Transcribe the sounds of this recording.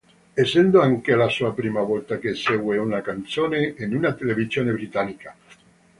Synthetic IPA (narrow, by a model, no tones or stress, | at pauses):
esːɛnd̪oaŋkelasuapɾiːmavɔlt̪akeseɡweunakant̪soːneːnunat̪elevizjoːnebɾit̪anːika